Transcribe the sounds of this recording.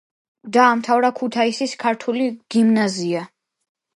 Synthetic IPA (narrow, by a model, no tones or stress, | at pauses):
d̪aːmt̪ʰavɾakʰut̪ʰaisiskʰaɾt̪ʰuliɡ̥imnazia